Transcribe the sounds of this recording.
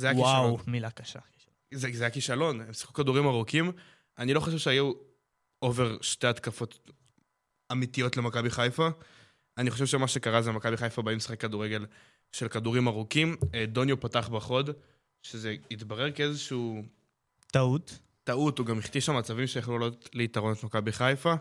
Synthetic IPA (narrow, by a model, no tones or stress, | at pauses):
zeajawiʃawmilakaʃa̰ki̥ʃ | zezeajakiʃalo̞nemsi̥χukaduʁimaʁukim | ʔanilo̞χoʃevʃeaju | ove̞ʁʃteat̪kafo̞t̪ | amit̪ijo̞tle̞makabiχajfa | aniχoʃevʃemaʃe̞kaʁazemakabiχajfabaimsi̥χekːaduʁeɡe̞l | ʃelkaduʁimaʁukimd̪o̞njopataχbaχo̞d | ʃeze̞it̪baʁe̞ʁkeezeʃu | autː | autuɡamiχt̪iʃamat͡savimʃejaχlulalotleit̪aʁo̞net̪makabiχajfa